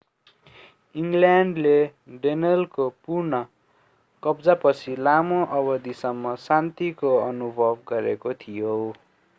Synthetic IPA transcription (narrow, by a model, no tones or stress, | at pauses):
iŋɡljaɳɖleɖenʌlkopurnʌ | kʌbd͡zapʌt͡sʰilamoʔʌbʌd̪isʌmːʌsant̪ikoʌnubʱʌb̚ɡʌɾekot̪ʰijo